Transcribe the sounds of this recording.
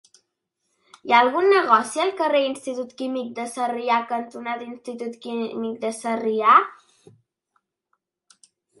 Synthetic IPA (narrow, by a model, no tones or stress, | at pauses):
jaəlˠɣunːəɣɔsiəlˠkəreinst̪it̪ut̪kimik̚d̪əsəriakənt̪unad̪inst̪it̪ut̪kimik̚d̪əsəria